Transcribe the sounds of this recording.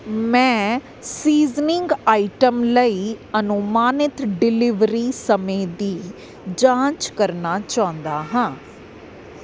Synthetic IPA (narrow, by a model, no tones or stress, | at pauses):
mɛ̃ː | siːznɪŋɡaːiʈəmləiːənʊmaːnɪt̪ɖɪlɪʋɾiːsəmẽːd̪iː | d͡ʒãːt͡ʃkəɾnaːt͡ʃaːʊ̃nd̪aːɦãː